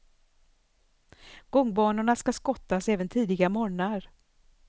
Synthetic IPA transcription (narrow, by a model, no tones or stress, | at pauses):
ɡ̥ɔŋːbɑːɳʊɳaskaskɔt̪ːasɛːvənt̪ʰiːd̪ɪɡamɔːɳaɾ